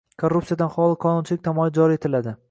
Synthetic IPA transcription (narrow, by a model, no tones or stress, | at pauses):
kʰoɾrːupsijad̪anχɒlˠɪqʰɒnʊnt͡ʃʰɪlɪkʲt̪ʰamɒjɪd͡ʒɒɾie̞t̪ʰɪlad̪ɪ